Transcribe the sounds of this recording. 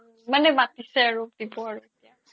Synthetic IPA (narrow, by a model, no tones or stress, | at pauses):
manɛbatisɛaɹudibɔaɹuetia